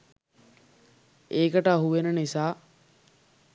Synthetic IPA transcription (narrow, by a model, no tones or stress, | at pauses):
eːkəʈəɦuʋenənisaː